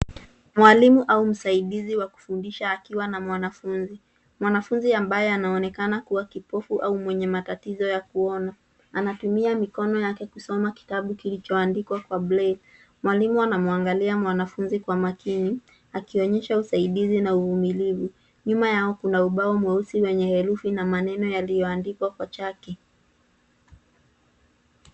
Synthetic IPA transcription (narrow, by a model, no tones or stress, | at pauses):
mwalimuʔaum̩saiɗiziwaku̥fundiʃaːkiwanamwanafunzi | mwanafunziambajɛanaɔnɛkanakuwakipɔfuʔaumwɛɲɛmatatizɔjakuɔna | anatumiamikɔnɔjakɛkusɔmaki̥taɓukilit͡ʃɔandikwakwablɛl | mwalimuanamuaŋɡaliamwanafunzikwamakini | akiɔɲɛʃausaiɗizinauvumilivu | ɲumajaɔkunauɓaɔmwɛusiwɛɲɛhɛɾufinamanɛnɔjalijɔandikwakwat͡ʃakɛ